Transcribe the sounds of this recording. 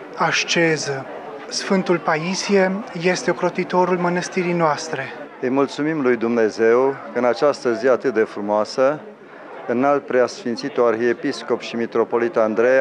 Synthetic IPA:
aʃt͡ʃe̞zə | sfɨnt̪ulpaisijeje̞st̪eokɾo̞t̪it̪o̞ɾulmənəst̪iɾijnoast̪ɾe̞ | ɨjmult̪sumimlujd̪umne̞ze̞wkəɨnat͡ʃast̪əziat̪ɨt̪̚d̪e̞fɾumoasə | ɨnalt̪̚pɾeasfint̪sit̪oarxiepisko̞pʃimit̪ɾo̞po̞lit̪and̪ɾe

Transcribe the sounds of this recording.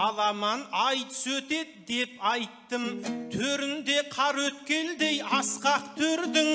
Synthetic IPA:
ɑlˠɑmɑnɑjt̪ə̥sɵt̪e̞d̪d̪e̞pɑjt̪ːəmt̪ʰɵɾɪnd̪e̞qʰɑɾwɵt̪kʲe̞nd̪e̞jɑsqɑqt̪ʰɵɾd̪ɪŋ

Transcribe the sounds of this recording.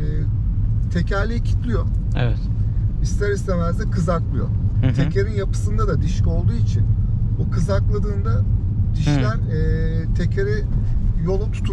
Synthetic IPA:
ɛː | t̪ʰe̞cʰæɾlʲejcʰi̥t̪lʲijo | ɛɛt̪ist̪æɾist̪ævæɾzɛkʰɯzaklˠɯjo̰t̪ʰe̞cʰeɾinjapɯ̥sɯnd̪ad̪ad̪iʃko̞lˠd̪uːit͡ʃʰinbukʰɯzaklˠad̪ɯːnd̪a | d̪̥iʃlʲæɾ | ɛːt̪ʰe̞cʰeɾijo̞lˠut̪ʰu̥t̪ʰu

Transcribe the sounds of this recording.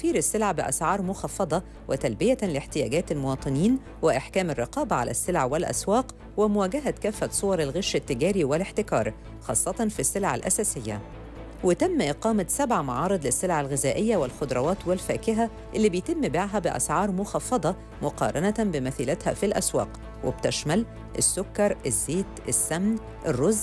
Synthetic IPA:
fiːɾɪsːelʕabɪʔæ̰sʕɑːɾˤmʊxɑfːɑd̪ˤɑ | wʔɪt̪ælbɪjælɪħt̪ɪjæ̰ːɡæːt̪ælmʊwɑːt̪ˤɨniːn | wɪʔaħkæːmɪrˤːɪqɑːbæʕa̰læ̰sːelʕawɪlʔæ̰swæːq | wɪmʊwæːɡæɦækæːfːæt̪sˤowɑɾˤɪlɣeʃːɪt̪ːɪɡæːɾiwɪleħt̪ɪkɑːɾˤ | xɑ̰ːsˤːɑt̪ɑnfisːelʕa̰lʔæ̰sæːsɪjːæ̰ | wɪt̪æmːʔɪqɑːmæt̪sæbʕamɑ̰ʕɑːɾˤɨd̪ˤlɪsːelʕalɣɪzæːʔɪjːæwɪlxod̪ɾˤɑwɑːt̪wɪlfæːkɪɦæ | ʔɪlːiːbejt̪ɪmːbaʕɦæbɪʔæ̰sʕɑːɾˤmʊxɑfːɑd̪ˤɑ | mʊqɑ̰ːɾˤɑnæt̪bɪmæθiːlæt̪hæ̰filʔæ̰swæ̰ːq | wɪ̰b̚t̪æʃmæl | ʔesːokːɑɾˤɪzːeːt̪ʔesːæmn | ʔɪrːoz

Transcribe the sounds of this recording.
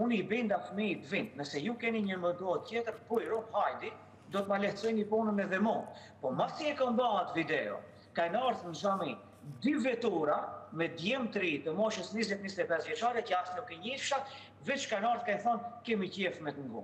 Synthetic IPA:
unibind̪afmit̪vint̪nəsɛjukɛniɲəməd̪ɔt̪ːjɛt̪əɾpujɾunhajd̪i | d̪ɔt̪malɛhsɔjnipunənɛðɛmɔnpɔmasiɛkɔmbaat̪vid̪ɛɔ̰ | kanaɾθnzami | d̪yvɛt̪uɾamɛd̪jɛmt̪ɾit̪əmɔʃəsnizɛt̪nist̪ɛpɛsvjɛt͡ʃaɾɛcəast̪nukːɛɲəiʃa | vɛt͡ʃkanaɾθkɛnθɔnkɛmicɛfmɛt̪əŋɡṵm

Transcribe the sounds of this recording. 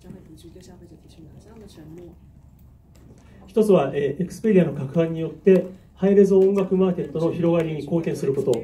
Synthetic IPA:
çi̥t̪o̞t͡sɨβaʔeekɯ̥sɨ̥peɾʲiano̞kakɯ̟hãɲ̟ːijo̞t̪ːe̞ | haiɾe̞zoõŋɡakɯ̟maːke̞t̪ːo̞no̞çiɾo̞ɡaɾʲiɲ̟iko̞ːkʲẽ̞ɰ̃sɨɾɯ̟ko̞t̪o̞

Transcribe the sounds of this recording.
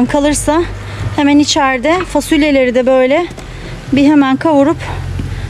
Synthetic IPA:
mkʰalˠɯɾsa | hemænit͡ʃʰæɾd̪ɛfasulʲelʲe̞ɾid̪ɛbø̞jlʲɛ | biɦe̞mænkʰavuɾup

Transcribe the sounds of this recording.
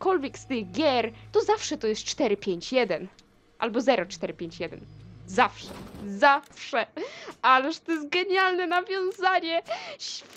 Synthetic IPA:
kɔlvʲjɛkst̪ɪɣɡʲjɛɾt̪ɔzafʂɛt̪ɔjɛst̪̚t͡ʂt̪ɛɾɘpʲjeɲt͡ɕjɛd̪ɛn | ʔa̰lbɔzɛɾɔt͡ʂt̪ɛɾɘpʲjeɲt͡ɕjɛd̪ɛ̰nzafʂɛzafʂɛʔalɛʐt̪ɔjɛs̬t̪̚ɡɛɲalnɛnavʲjɔ̃w̃zaɲɛɕfʲ

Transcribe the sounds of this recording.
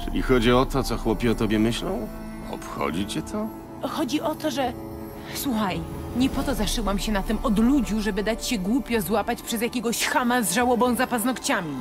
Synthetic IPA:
t͡ʂɘ̰lʲḭxɔd͡ʑiɔt̪ɔt̪sɔxwɔpʲjiɔt̪ɔbʲjɛmɘɕlɔ̃w̃ | ɔ̰pxɔ̰d͡ʑit͡ɕɛt̪ʰɔ | xɔd͡ʑiʔɔt̪ɔʐɛ | swuxaj | ɲɛpɔt̪ɔzaʂɘwamɕɛnat̪ɘmʔɔd̪lud͡ʑuʐɛbɘd̪at͡ɕɕɛɡwupʲjɔzwapat͡ɕpʂɛzjakʲeɡɔɕxamazʐawɔbɔ̃w̃zapaznɔkt͡ɕamʲi

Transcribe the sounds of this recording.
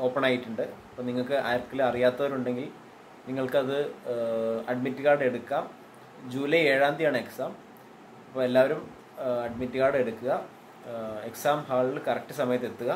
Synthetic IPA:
o̞ːpːɐɳaːjiʈːuɳɖɨɐpːoniŋːɐɭkɨʔa̰ːjrkːɐlɐrijaːt̪ːɐʋɐɾuɳɖe̞ŋɡil | niŋːɐɭkɨɐðɨ | ɐɖmitːɨɣaːɽe̞ɽukːam | d͡ʑuːlɐje̞ːɻaːnd̪ijaːɳɨe̞ksaːm | ɐpːoːe̞lːaːʋɐɾum | ɐɖmitːɨɣaːɽe̞ɽukːuɣɐ | e̞ksaːmhaːɭilkɐrɐk̚ʈːɨsɐmɐjɐt̪ːe̞t̪ːuɣɐ

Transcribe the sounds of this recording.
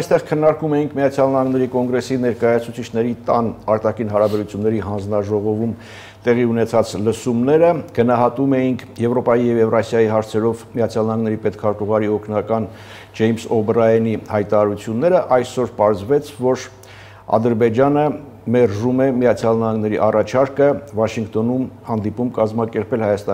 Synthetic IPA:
ɑjst̪ɛʁkʰənːɑɾkumɛjiŋkʰmijɑt͡sʰjɑlnɑhɑŋɡnɛɾikɔŋɡɾɛsinɛɾkɑjɑt͡sʰut͡sʰit͡ʃʰnɛɾit̪ɑnɑɾt̪ɑkʰinɦɑɾɑbɛɾut͡sʰjunːɛɾiɦɑnd͡znɑʒɔʁɔvum | t̪ɛʁiunɛt͡sʰɑt͡sləsumnɛɾəɡ̥ənɑɦɑt̪umɛjiŋkʰjɛvɾɔpɑjijɛvjɛvrɑsjɑjiɦɑɾt͡sʰɛɾɔvmijɑt͡sʰjɑlnɑhɑŋɡnɛɾipɛt̪kʰɑɾt̪uʁɑɾiɔkʰnɑkɑn | d͡ʒɛjmsɔbrɑjɛnihɑjt̪ɑɾɑɾut͡sʰjunːɛɾəʔɑjsɔɾpɑɾzvɛt͡sʰvɔɾ | ɑ̰d̪əɾbɛd͡ʒɑnə | mɛrʒumɛmijɑt͡sʰjɑlnɑhɑŋɡnɛɾḭʔɑrɑt͡ʃʰɑɾkəvɑʃiŋkt̪ɔnumhɑnd̪ipumkɑzmɑkɛɾpʰɛlhɑjɑst̪ɑ

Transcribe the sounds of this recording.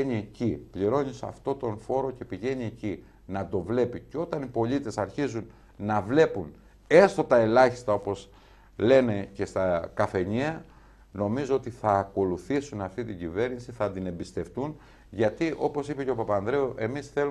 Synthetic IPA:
eɲiecipʎiɾo̞ɲisɐ̰ft̪o̞t̪o̞nfo̞ɾo̞ce̞piʝe̞ɲieci | nɐt̪o̞vle̞piceo̞t̪ɐnipo̞ʎit̪e̞sɐɾçizun | nɐvle̞pun | e̞st̪o̞t̪ɐe̞lɐçi̥st̪ɐo̞po̞z | le̞ne̞ce̞st̪ɐkɐfe̞ɲiɐ | no̞mizoot̪iθɐːko̞luθisunɐft̪it̪iɟive̞ɾnisiθɐd̪ine̞mbist̪e̞ft̪un | ʝɐt̪iʔo̞po̞sipe̞ceo̞pɐpɐːnðɾe̞oʔe̞misθe̞lu

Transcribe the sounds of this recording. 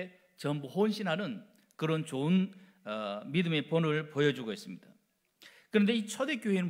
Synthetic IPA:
t͡ɕʌmbuhonɕʰinɦanɯn | kɯɾʌnt͡ɕoɯn | midɯme̞ponɯɭpojʌd͡ʑuɡois͈ɯmɲid̥a | kɯɾʌnd̪eit͡ɕʰʌde̞k͈joɦenɯn

